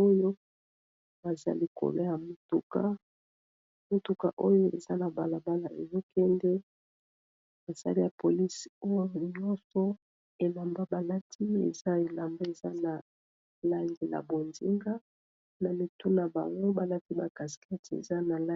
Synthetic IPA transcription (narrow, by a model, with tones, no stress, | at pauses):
o˦jo˦ | ba˨za̰˦li˦ko̰˨lo˦ja˨mo˨tu˨ka˦ | mo˨tu˨ka̰˨ʔo˦jo˦ḛ˨za˦na˨ba˨la˨ba˦la˨ḛ˨zo˦kɛ˦ndɛ˦ | ba˨sa̰˦li˦ja˨po˨li˦so˦jo˦ɲɔ˦nsɔ˦ | e˨la˨mba˦ba˨la˦tʰi˦ḛ˨za˦e˨la˨mba˦e˨za˦na˨ | la˦ŋɡi˨la̰˨bo˨nzi˦ŋɡa˦ | na˨mi˨tu˦na˨ba̰˨ŋɡo˦ba˨la˦ti˦ba˨ka˨ska˦ti˨ḛ˨za˦na˨la˦